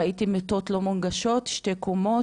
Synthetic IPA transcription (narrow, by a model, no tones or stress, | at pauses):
aitimet̪ot̪lomunɡaʃot̪ʃte̞kumo